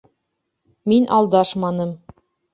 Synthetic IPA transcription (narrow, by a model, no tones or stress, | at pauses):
minʔɑlˠd̪ɑʃmɑnɤm